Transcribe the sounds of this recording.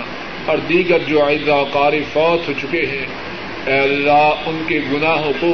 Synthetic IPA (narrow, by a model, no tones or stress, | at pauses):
ɔːɾd̪iːɡəɾd͡ʒoːaːɪzːaqaːɾefɔːt̪ɦoːt͡ʃʊkeɦɛ̃ | ɛːəlːaːʊnkeɡʊnaːɦõko